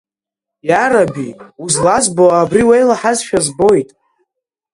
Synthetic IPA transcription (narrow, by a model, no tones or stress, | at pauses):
jaɾabiuzlazboaːbriwejlaħazʃᶣazbo̞jtʼ